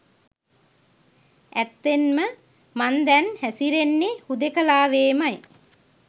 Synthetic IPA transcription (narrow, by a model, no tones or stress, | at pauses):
æt̪ːenmə | mand̪ɛnhæsiɾenːehud̪ekəlaːʋeːmaj